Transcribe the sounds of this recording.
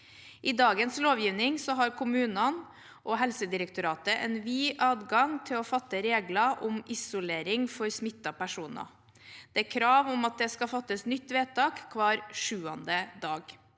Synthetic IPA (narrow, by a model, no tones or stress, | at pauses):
ʔɪd̪ɑːɡənsloːʋjiːʋnɪŋsɔɦɑɾkʰʊmʉːnɑn | ʔɔɦɛlsəd̪ɪɾəkt̪ʊɾɑːt̪əʔɛnʋiːʔɑːd̪ɡɑŋt̪ʰɪlɔfɑt̪ːəɾeːɡlɑʔʊmʔɪsʊleːɾɪŋfɔɾsmɪt̪ːɑpæʂuːnɑ̰ | d̪̥ɛækʰɾɑːʋʊmɑt̪̚d̪ɛskɑfɑt̪ːəsnʏt̪ːʋeːt̪ɑːkkʰːʋɑːɾʂʉːɑnd̪əd̪ɑːɡ